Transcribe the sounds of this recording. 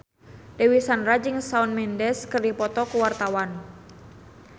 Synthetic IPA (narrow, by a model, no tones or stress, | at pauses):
dewisanrad͡ʒiŋsaunmɛndɛskɨrdipɔt̪ɔkuwart̪awan